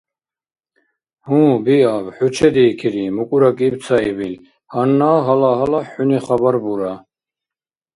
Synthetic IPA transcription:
hũːbiabħut͡ʃʰɛd̪iːkʰiɾimukʼuɾakʼiːb̪t͡s̪ʰaibil | hanːaːɦalaɦalaħuniχabaɾbuɾa

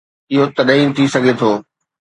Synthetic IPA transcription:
ɪɦot̪ɐɗɐĩt̪ʰisɐɡʱet̪ʰoː

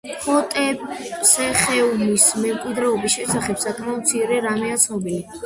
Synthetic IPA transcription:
χʰɔt̪ʼɛsɛχɛunismɛmkʼwid̪ɾɛɔbisʃɛsaχɛpsakʼmaɔd̪̚t̪sʰiɾɛɾamɛat̪sʰnɔbili

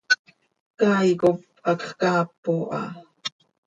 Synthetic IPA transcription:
kɑjkop̚ | ɑkχkɑːpːoʔɑ̰

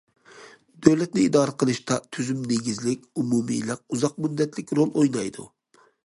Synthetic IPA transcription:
d̪̥øwlɛt̪̚nɪid̪ɑːɾəqʰəlˠɨʃt̪ɑt̪ʰyzymneɡʲizlɪkʲumumɨ̰lɪkuzɑq̚myd̪ːɛt̪lɪkʲɾolˠojnɑjd̪ṵ

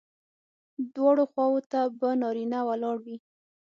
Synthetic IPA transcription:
d̪wɑɽoxwɑwot̪abənɑɾinawalɑɽwi

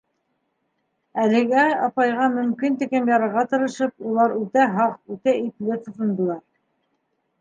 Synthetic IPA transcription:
ælɘ̆ɡæɑpɑjʁɑmɵ̆mkint̪ɘ̆kɘmjɑɾɤ̆ɾʁɑt̪ɤ̆ɾɤ̆ʃɤp̚ulˠɑɾʉt̪æɦɑq̚ʉt̪æiplɘt̪ut̪ɤ̆nd̪ɤ̆lˠɑɾ

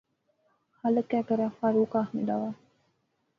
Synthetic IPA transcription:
hɐlɐkæːkɐɾæːfaːɾuːkaːɦɐmiɖ̪aʋaː

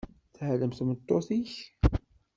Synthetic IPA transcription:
θhələmθmət̪ˤːoθiç

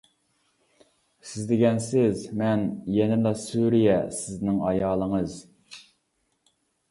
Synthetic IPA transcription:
sɪzd̪ɪɡʲɛnsɪzmɛnjɛnɪlˠɑsuɾijɛsɪznɪŋɑjɑːlˠəŋəz

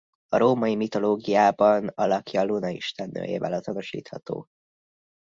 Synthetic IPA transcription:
ɒɾoːmɒjimit̪o̞loːɡijaːbɒnɒlɒkjɒːlunɒiʃt̪ɛnːø̰ːjḛːvɛ̰lɒzonoʃḭːt̪hɒt̪o̰ː

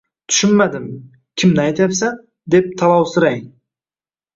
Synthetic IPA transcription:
t̪ʰʊ̥ʃʏnmad̪ɪm | kʲʰɪmnɪajt̪apsan | d̪e̞p̚t̪ʰɑlˠɑwsʊɾɑj

